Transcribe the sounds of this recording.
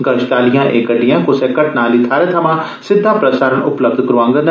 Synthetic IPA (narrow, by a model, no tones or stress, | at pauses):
ɡɐʃʈaːlijãːʔeːkəɖijãːkʊsekɐʈnaːlit̪ʰaːɾet̪ʰɐmãː | sɪd̪ʱːaːpɾɐsaːɾəɳʊpləb̚d̪kəɾuãːŋɡən